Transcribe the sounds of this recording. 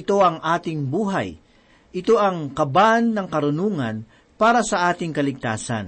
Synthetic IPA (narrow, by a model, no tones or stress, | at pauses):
ɪt̪o̞ɐŋʔaːt̪ɪŋbuːɦa̰j | ʔɪt̪o̞ʔɐŋkɐbanːɐŋkɐɾʊnuːŋɐn | paːɾɐsɐʔaːt̪ɪŋkɐlɪɡ̚t̪aːsɐ̰n